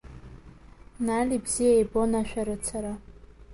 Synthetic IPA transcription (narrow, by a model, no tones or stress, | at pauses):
nalʲibzijajbonaʃᶣaɾɨt͡sʰaɾa